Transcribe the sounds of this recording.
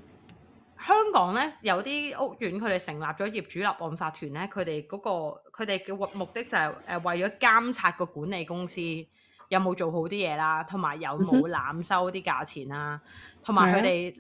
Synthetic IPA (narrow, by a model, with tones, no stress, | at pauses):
hœː˥ŋkɔː˨˥ŋlɛː˥jɐ˨˧wt̪iː˥ʔʊ˥k̚jyː˨˥nkʰɵ˨˧ɥt̪e˨˩sɪ˨˩ŋlaː˨p̚t͡ʃɔː˨˥jiː˨p̚t͡ʃyː˨˥lɐ˨˩p̚ʔɔː˨nfaː˧t̪ʰyː˨˩nlɛː˥kʰɵ˨˧t̪e˨jkɔː˨˥kɔː˧kʰɵ˨˧ɥt̪e˨jkɛː˧wmʊ˨k̚t̪ɪ˥k̚t͡sɐ˨˩hɐ˨jʔɛː˨˩wɐ˨jt͡ʃɔː˨˥kaː˥mt͡sʰaː˧t̚kɔː˧kuː˨˥ne˨jkʊ˥ŋsiː˥ | jɐ˨˧wmo˨˧wt͡ʃo˨wɦo˨˥wt̪iː˥jɛː˨˧laː˥t̪ʰʊ˨˩ŋmaː˨˩jːɐ˨˧wmo˨˧wla̰ː˨˧msɐ˥wt̪iː˥ka̰ː˧t͡sʰiː˨˩naː˧t̪ʰʊ˨˩ŋmaː˨˩jkʰɵ˨˧t̪e˨j